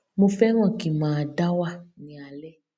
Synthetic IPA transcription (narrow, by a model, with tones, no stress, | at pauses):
mo˧fɛ˦w̃ɔ̃˦˨ki˨mã˨a˨da˦wa˦˨nĩ˨a˨lɛ˦